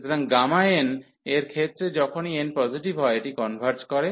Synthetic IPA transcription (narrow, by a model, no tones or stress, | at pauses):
t̪oɾaŋɡamaeen | eɾkʰet̪ːɾed͡ʑɔkʰonienpɔziʈibʱɦɔeeʈikɔnbʱaɾt͡ɕkɔɾe